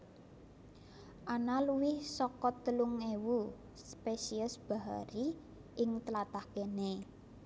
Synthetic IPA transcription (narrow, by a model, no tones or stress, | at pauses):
ʔanaluwɪhsɔkɔt̪ːəluŋewu | spesiəsb̥a̤ɦa̰ɾi | ɪŋt̪əlat̪ahɡene